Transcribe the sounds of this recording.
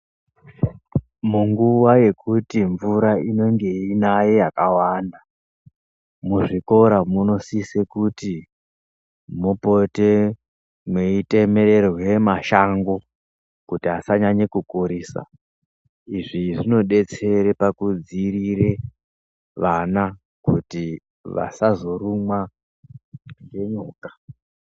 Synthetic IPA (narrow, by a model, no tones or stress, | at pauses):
muŋɡuwaje̞kutiɱvuɾaino̞ŋɡe̞inaje̞jakawanda | muʐiko̞ɾamuno̞sisekuti | mupo̞te | mweite̞me̞ɾe̞rwe̞maʃaŋɡo̞ | kutiɦasaɲaɲekukuɾiːsa̰ | iʐiʐino̞ɗe̞t͡se̞ɾepakud͡ziriɾe̞ | ʋana | kuti | ʋa̰sazo̞rumwa | je̞ɲuːkḁ